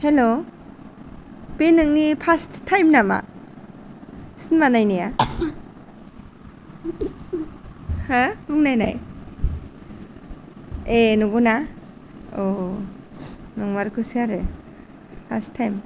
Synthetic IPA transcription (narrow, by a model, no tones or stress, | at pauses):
helo | penɯŋnipʰasttʰːajmnama̰ | sinmanajnija | hãbuŋnajna̰j | enuɡuna | o | nɔŋmaɾkʰɯsiaɾɯ | pʰa̰stʰːajm